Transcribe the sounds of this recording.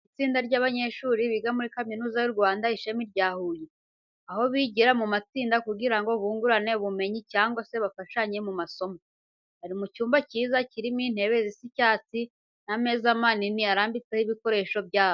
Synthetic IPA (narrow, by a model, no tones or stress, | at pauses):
it͡siːndaɾɟaːβaɲe̞ʃuːɾiβiɡamuɾikaminuːzajuɾɡwaːndaiʃemiɾɟaːhuːje | aho̞βiɟiɾamumat͡siːndakuɡiɾaŋɡo̞βuːŋɡuɾane̞βume̞ɲicaːŋɡwase̞βafaʃaɲe̞mumaso̞mo | aɾimucuːmbaciːzaciɾimin̥he̞βe̞zisicaːt͡si | name̞ːzamaniniaɾaːmbit͡sehiβiko̞ɾe̞ːʃo̞bɟaːβo